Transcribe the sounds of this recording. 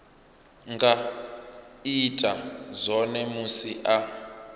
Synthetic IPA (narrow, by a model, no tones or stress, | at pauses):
ŋɡa | itʼazʷɔnɛmusiʔa